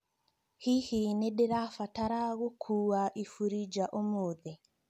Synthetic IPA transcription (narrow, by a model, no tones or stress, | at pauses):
hihineɗeɾafataɾaɣokʰuwaʔifuɾid͡ʒaʔomoðe